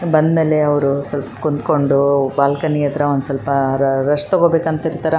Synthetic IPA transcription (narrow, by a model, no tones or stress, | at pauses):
bɐnd̪meːleɐʋɾusɐlpɐkunt̪ko̞ɳɖubaːlkɐniːjɐt̪ɾɐond̪usɐlpɐɾɾɐʂt̪oɡobeːkɐnt̪ɐiɾt̪aːɾe